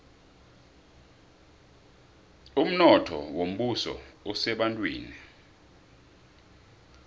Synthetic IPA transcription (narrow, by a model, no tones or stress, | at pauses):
um̩nɔtʰɔ̰wom̩ɓusɔ̰ɔsɛɓantʼwḛːni